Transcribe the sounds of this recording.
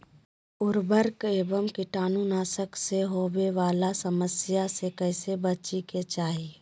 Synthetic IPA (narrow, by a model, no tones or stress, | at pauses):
ʊɾbəɾkeːbəmkɪʈaːnunaːsəkseɦoːbeʋaːlasəməsɪjasekəɪsebət͡ʃiket͡ʃaːɦi